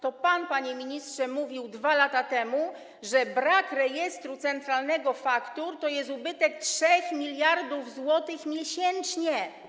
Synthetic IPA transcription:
t̪ɔpanpaɲɛmʲiɲistʂɛmuvʲiwd̪valat̪at̪ɛmu | ʐɛbɾakɾɛjɛst̪ɾut̪sɛnt̪ɾalnɛɡɔfakt̪uɾt̪ɔjɛst̪ubɘt̪ɛk̚tʂɛxmʲilʲjaɾd̪uvzwɔt̪ɘxmʲjɛɕɛnt͡ʂɲɛ

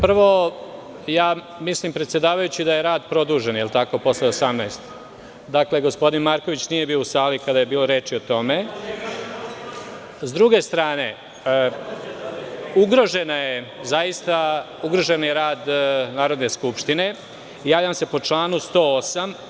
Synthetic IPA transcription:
pr̩ʋo̞ | jaː | mislimpɾet̪sʲje̞d̪aːʋajut͡ɕid̪aje̞ɾaːd̪pɾo̞d̪uːʒe̞njelˠt̪ako̞po̞sleosamnajst̪ | d̪akle̞ɡo̞spo̞d̪inmaɾkoʋit͡ɕnije̞biousaːlikad̪aje̞biːlˠo̞ɾe̞ːt͡ʃio̞t̪o̞me̞ | zd̪ɾuɡe̞st̪ɾaːne̞ | uɡɾo̞ʒe̞najezajist̪a | uɡɾo̞ʒe̞njeɾaːd̪naːɾo̞d̪ne̞skupʃt̪ine̞ | jaːʋʎamse̞po̞t͡ʂlˠaːnust̪o̞ːosam

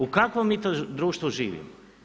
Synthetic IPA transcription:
ukakʋomːiːt̪od̪ɾuːʃt̪ʋuʒiːʋḭmo

